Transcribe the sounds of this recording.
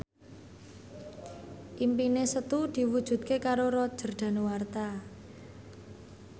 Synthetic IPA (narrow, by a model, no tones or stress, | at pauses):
ʔimpinesət̪ud̪̥i̤wud̥ʒ̥ṳt̪̚kekaɾoɾɔ̥ʒ̥ə̤rɖ̪̥a̤nuwart̪a